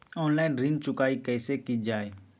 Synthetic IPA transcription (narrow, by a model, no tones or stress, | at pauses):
ɔːnlaːɪnɾint͡ʃʊkaːikɛːsekid͡ʒaːeː